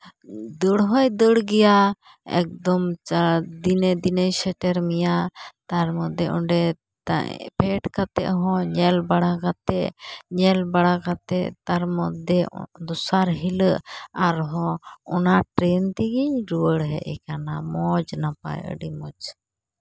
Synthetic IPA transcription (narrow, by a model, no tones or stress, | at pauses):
d̪əɽɦɔjd̪əɽɡɛja | ɛ̰k̚d̪ɔmt͡ʃad̪ind̪inəjsɛʈɛɾmijat̪aɾmɔd̪ɛʔɔɖɛ | t̪a̰pʰɛʈkat̪ɛ̰ʔɦɔ̃ɲɛlbaɽakat̪ɛɲɛlbaɽakat̪ɛʔt̪aɾmɔd̪ɛd̪ɔsaɾɦiləʔaɾɦɔ̃ɔnaʈɾɛnt̪iɡiɲɾuwəɽɦɛ̰ʔɛkanamɔd͡ʒnapa̰jə̰ɖimɔd͡ʒ